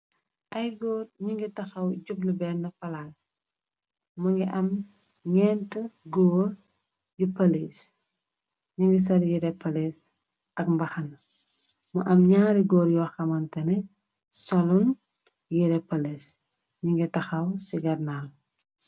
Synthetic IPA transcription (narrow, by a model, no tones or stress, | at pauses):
ʔɐjɡɔːrɲiŋɡitɐxɐwɟubnubɛnːɐfɐlal | mɐŋɡiʔɐm | ɲɛːntəɡɔːr | jupɐlis | ɲiŋɡis̬ɐljiɾɛpːɐles | ʔɐkmbɐxɐn | mɐʔɐmɲaːɾiɡɔːɾjuwɐxɐmɐntɐnɛ | sɐlun | jiɾɛpɐles | ɲiŋɡitɐxɐwsiɡɐrnaːl